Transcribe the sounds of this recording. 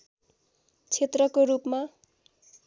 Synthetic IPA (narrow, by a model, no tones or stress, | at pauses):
t͡sʰet̪rʌkoɾupma